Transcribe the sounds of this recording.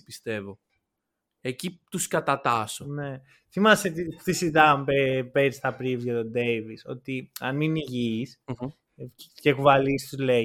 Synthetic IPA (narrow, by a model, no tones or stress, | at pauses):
pist̪e̞vo̞ | ecit̪uskɐt̪ɐt̪ɐsone̞ | θimɐset̪it̪isit̪ɐmpepeɾist̪ɐpɾivzʝɐt̪o̞d̪e̞jviso̞t̪iɐnminiʝiːs | cekuvɐlist̪uzle